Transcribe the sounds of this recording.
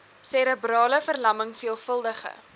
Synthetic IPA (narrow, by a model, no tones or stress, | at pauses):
sɛɾəbrɑːləfərlɐməŋfiəlˠfəlˠdəχə̰